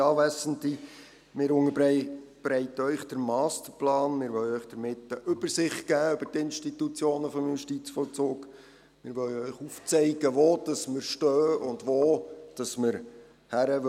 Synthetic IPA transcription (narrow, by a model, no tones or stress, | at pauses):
ɑːʋæsənti | mɪːɾʊŋəbb̥ɾɛɪtəœʏχd̥əɾmɑːstəɾplɑːnmɪɾʋœlœʏχd̥əɾmɪtːəʔʏbəɾsɪχtɡ̥æːʏb̥ətɪnʃtitut͡sjoːnəfɔmjuʃtit͡sfɔlt͡suːk | mɪːɾʋœlœʏχuft͡sɛɪɡəʋoːd̥ɑsməɾʃtøːʊndʋoːd̥ɑsməɾ | hæɾəʋ